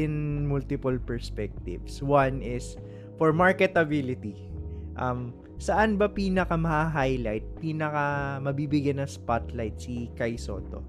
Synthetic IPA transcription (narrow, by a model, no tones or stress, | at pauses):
ɪnmult̪ɪpolpɛɹspɛk̚t̪ɪ̰vswanɪs | fɔɹmaɹkɛt̪ɐbilɪt̪i | ʔɐm | sɐʔanbɐpiːnɐkɐmɐhaɦajlajt̪̚piːnɐkɐmɐbiːbɪɡjanɐŋspat̪lajt̪̚sikɐjso̰ːt̪o̰